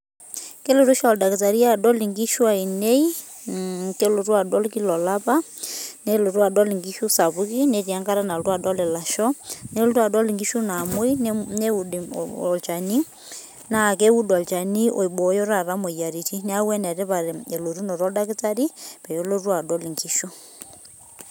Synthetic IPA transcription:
ke˦lo˨ɾu˦ʃɔɔ˨da˨ki˨ta˨ɾi˦a˦dɔ˦li˨ŋɡi˦ʃwa˨i˨ne˦i˦ | ke˦lo˨ɾu˦a˨dɔ˦lki˦lɔ˨la˦pa˦ | ne˦lo˨ɾu˦a˨dɔ˦li˨ŋɡi˦ʃu˦sa˨βu˦ki˦ne˦ɾi˨a˦ŋɡa˦ɾa˦na˨ltu˦a˨dɔ˦lɛ˨la˨ʃɔ˦ne˦lɾwa˨dɔ˦li˨ŋɡi˦ʃu˦na˨mo˦i˦ne˦u˨dɔ˨lt͡ʃa˨ni˦ | na˨ke˦u˦dɔ˨lt͡ʃa˨ni˦ʔo̰˨i˨ɓɔ˨˦jɔ˦ɾa˨ɾa˦mo˨ja˨ɾi˨ti˦ne˦a˦wɛ˦nɛ˨ɾe˦βa˨ɾe˨lo˨ɾu˦nɔ˨ɾɔ˦da˦ke˦t͡sa˦ɾi˦pɛ˨jo˦lo˦ɾu˦a˨dɔ˦li˨ŋɡi˦ʃu˦

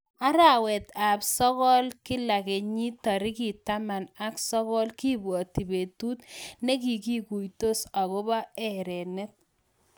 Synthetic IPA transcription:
a˦ɾa˨wɛ˨t̪a˨psɔ˦ɣɔ˦lkɪ˦la˨ke˨ɲi˦tɔ˨ɾɪ˦ki˨ta˦ma˨na˦ksɔ˦kɔ˦lki˦bwɔ˨ti˨be˨tu˦t̪ne˦ki˨ki˦ku˨jto˦sa˨ɣɔ˦ba˦ɛ˨ɾɛ˨ne˦t̚

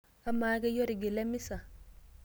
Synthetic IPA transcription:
a˦maː˨˦ɡɛ˦jɔ˦ɾi˨ɡi˨lɛ˦mi˦sa˨

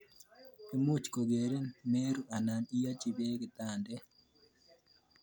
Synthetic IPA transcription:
pi˦mu˦t͡ʃko˨ɡe˨ɾe˦nme˦ɾu˦a˨na˨ni˦ja˦t͡ʃi˨be˦kɪ˨t̪a˨ndɛ˦

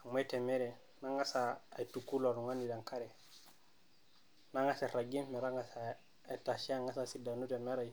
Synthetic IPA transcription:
a˨me˦te˨me˦ɾe˨ | na˦ŋa˦saː˨jtu˨kːu˦lo˨ɾu˨ŋa˦ni˨da˨ŋka˦ɾe˨ | na˦ŋa˦se˨ɾa˨ɡi˦mme˨ɾa˦ŋa˦sa˨ | a˨ta˨ʃi˦a˦ŋa˦sa˨si˨da˨nu˦te˨me˦ɾa˨j

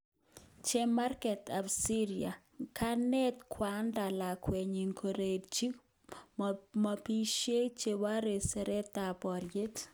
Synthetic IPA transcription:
t͡ʃe˦ma˦ɾkɛ˨ta˨bsi˦ɾia̰˨ | kʰa˦nɛ˦t̪kʰwa˨˦nda˨la˨kwe˨ɲi˨ŋkʰo˨ɾe˨dt͡ʃi˦ | ma˨pi˦ʃje˦t͡ʃe˦wa˦ɾe˨se˨ɾe˦t̪a˨bɔ˨ɾje˦t

